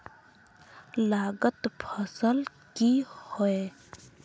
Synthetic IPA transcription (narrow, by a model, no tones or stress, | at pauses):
laːɡət̪pʰəsəl | kihoe